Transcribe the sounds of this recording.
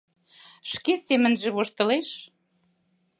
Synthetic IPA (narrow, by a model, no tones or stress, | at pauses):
ʃkesemə̆nʒĕβoʃt̪ɤ̆leʃ